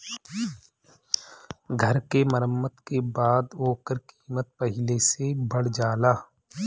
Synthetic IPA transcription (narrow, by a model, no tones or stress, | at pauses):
ɡʱəɾkeməɾəmːət̪kebaːd̪oːkəɾkiːmət̪̚pəɦɪlesebɐɽd͡ʒaːlaː